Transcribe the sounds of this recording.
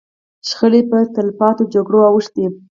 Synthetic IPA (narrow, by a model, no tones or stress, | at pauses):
ʃxəlepət̪alfɑt̪od͡ʒaɡɽoawəʂt̪̚d̪i